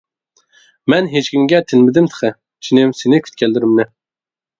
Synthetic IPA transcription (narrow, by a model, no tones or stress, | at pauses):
mɛnɦet͡ʃkʲiŋɡʲɛt̪ʰɪnmɪd̪ɪmt̪ʰə̥χʰə | t͡ʃʰinɪmsɪnɪkʲʰy̥t̪̚kʲʰɛlːɪɾɪmnɪ